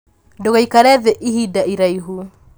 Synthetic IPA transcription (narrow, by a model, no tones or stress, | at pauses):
doɣaikaɾɛðɛʔiɦidaiɾaiɦu